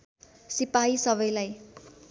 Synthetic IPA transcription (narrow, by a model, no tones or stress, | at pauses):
sipaisʌβʌjlaj